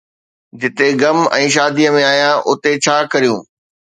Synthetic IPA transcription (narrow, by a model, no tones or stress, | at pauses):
d͡ʑɪt̪eɡɐmɛ̃ːʃ̬aːd̪iəmẽaːijãʔʊt̪et͡ɕʰaːkɐɾijũː